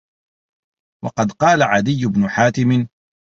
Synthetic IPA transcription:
wɑ̰qɑd̪qɑːlaʕad̪ɪjːʊbnʊħaːt̪ɪmɪ

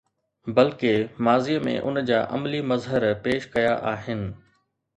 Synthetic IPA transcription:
bɐlkemaːziəmḛ̃ʔʊ̰nd͡ʑaːʔɐ̰mlimɐzɦəɾpeːʃkɐjaʔaːɦɪnɪ̆

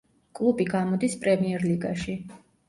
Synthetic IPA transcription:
kʼlˠubiɡamɔd̪ispʼɾɛmiɛɾliɡaʃi

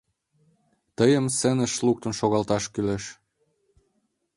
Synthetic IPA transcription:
t̪əjəmsĕnə̆ʃluk̚t̪ə̆nʃoɣɑlt̪ɑʃkyleʃ

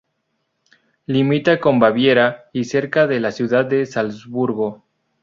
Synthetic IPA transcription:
limit̪ako̞mbaβje̞ɾaise̞ɾkaðe̞lasjuðad̪̚d̪esalzβuɾɣo

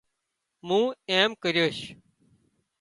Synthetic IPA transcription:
mũːeːmkəɾjoːʃ

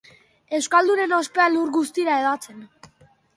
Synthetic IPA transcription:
e̞wskald̪une̞no̞spe̞aluɾɣust̪iɾae̞ðat͡se̞n

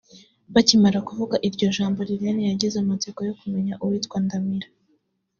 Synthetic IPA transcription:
βacimaɾakuvuɡaʔiɾɟo̞ʒaːmbo̞ɾiɾjenijaɟizeumuziɡojokume̞ɲaʔuwitkwandamiɾa

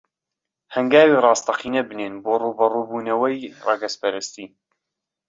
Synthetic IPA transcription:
hɐŋɡaːwirɑːst̪ɐqʰiːnɐbɨneːnboːruːbɐrubuːnɐwɐjrɑɡɐspʰɐɾɨst̪iː

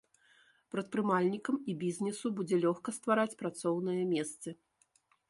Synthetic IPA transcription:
pɾɐt̪̚pɾɨmalʲnʲikɐmibʲizʲnʲɛsubud͡zʲɛlʲɔxkɐst̪vaɾat͡sʲpɾat̪sɔwn̪ɨjɐmʲɛst̪sɐ

